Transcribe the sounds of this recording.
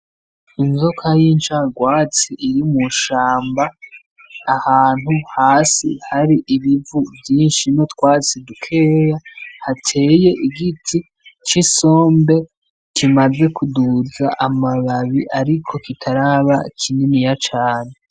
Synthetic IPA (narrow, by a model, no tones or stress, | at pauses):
inzokʰajint͡ʃaɡwaːt͡siʔiɾimuʃaːmbaː | haːn̥huhaːsihaɾiʔiβivuvjiːnʃino̞tkwaːt͡sidukʰe̞ːjahatʰe̞ːje̞ʔiɡitʰi | t͡ʃiso̞ːmbe̞ | kimaze̞kuduzaʔamaβaβiʔaɾikʰo̞kitʰaɾaβakʰininijat͡ʃaːne